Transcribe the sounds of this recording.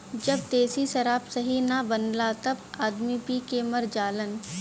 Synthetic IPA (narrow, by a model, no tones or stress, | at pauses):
d͡ʒɐb̚d̪eːsiʃɐɾaːpsɐɦinɐbɐnlat̪ɐbaːd̪mipikemɐɾd͡ʒaːlən